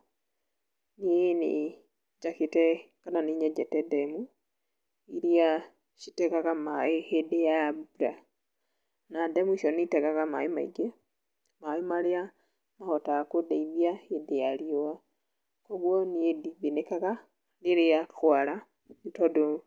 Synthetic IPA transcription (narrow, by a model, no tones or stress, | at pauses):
niene | d͡ʒakitɛ | kananiɲɛd͡ʒɛtɛdɛmu | iɾia | ʃi̥tekaɣamaehedejabuɾa | nademuʃɔnitɛɣaɣama̰ima̰ḭɡa | majimalea | mahotakodeiβiaedejalioa | koɣwɔniediβinekaɣa | leɾejaxwala | nitɔdo